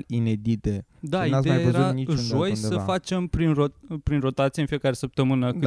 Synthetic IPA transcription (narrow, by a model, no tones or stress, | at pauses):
lined̪it̪ed̪aiat̪emajajvəzɾutaniʒo̞jsəfat͡ʃe̞mpɾinropɾinro̞t̪at̪sijeɨnfije̞kaɾe̞səp̚t̪əmɨnə